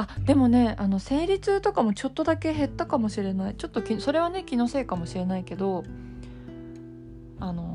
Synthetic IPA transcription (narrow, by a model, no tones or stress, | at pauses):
ad̪̥e̞mo̞ne̞ano̞se̞ːɾʲit͡sɨt̪o̞kamo̞t͡ɕo̞t̪ːo̞d̪ake̞ɦe̞t̪ːakamo̞ɕiɾe̞nait͡ɕo̞t̪ːo̞kʲiso̞ɾe̞βane̞kʲino̞se̞ːkamo̞ɕiɾe̞naike̞d̪o̞ | ano̞